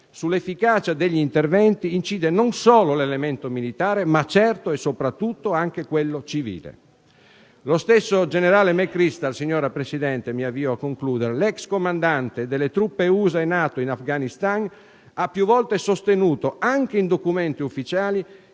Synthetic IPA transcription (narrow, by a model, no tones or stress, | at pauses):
sulːefːikaːt͡ʃad̪eʎːiint̪ervɛnt̪iːnt͡ʃiːd̪enonsɔːlolelement̪omilit̪aːɾemat͡ʃːɛrt̪oɛsːopɾat̪ːut̪ːoaŋk̟ekwelːot͡ʃivḭːlḛ | lost̪esːod͡ʒeneɾaːlemɛkːɾist̪alsiɲːɔːɾapɾesid̪ɛnt̪emiavːiːoakːoŋkluːd̪eɾelɛkskomand̪ant̪ed̪elːet̪ɾupːeuːzaenaːt̪oinafɡanist̪an | apːjuvːɔlt̪esost̪enuːt̪oaŋk̟eind̪okument̪iufːit͡ʃaːli